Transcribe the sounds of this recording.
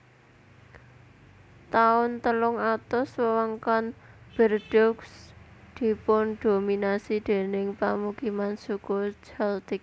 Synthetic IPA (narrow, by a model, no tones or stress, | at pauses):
t̪aʊnt̪əlʊŋat̪ʊswəwaŋkanb̥ərɖ̥ɔksd̪̥i̤pʊnɖ̪̥o̤minasid̪̥e̤nɪŋpamukimansukud͡ʒɛld̪ɪk̚